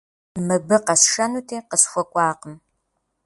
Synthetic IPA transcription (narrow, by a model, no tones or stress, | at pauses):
mɨbɨqɐsʂɐnuːtʰeːqəsxʷɔkʷʼɑːqəm